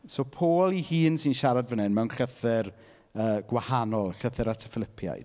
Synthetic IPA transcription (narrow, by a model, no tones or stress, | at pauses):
soːpʰoːlˠihiːnsinʃaɾadvənɪnmɛwnɬəθɪr | əːɡ̥wahanɔlˠɬəθɪɾatʰə̥fɪlˠɪpʰja̰jd̥